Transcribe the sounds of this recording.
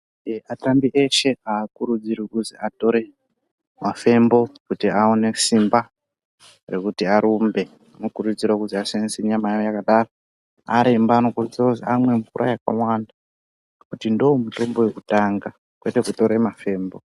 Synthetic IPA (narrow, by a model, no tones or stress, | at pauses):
atambiʔe̞ʃe̞aːkuɾud͡zirikuziato̞ɾe̞ | mafe̞mbo̞kutiaone̞simba | re̞kutiaɾumbe̞ | nokurud͡zirɾwakuziasanisiɲamajojakaɗaːro | a̰ɾembaːno̞kurud͡ziroziamwe̞ɱvurʔa̰jaka̰wanda | kutindomuto̞mbo̞we̞kutaŋɡa | kwe̞te̞kuto̞ɾe̞mafe̞ːmbo̞